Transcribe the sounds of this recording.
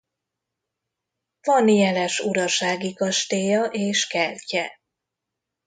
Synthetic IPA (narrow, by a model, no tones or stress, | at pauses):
vɒnjɛlɛʃuɾɒʃaːɡikɒʃt̪eːjɒʔeːʃkɛlcɛ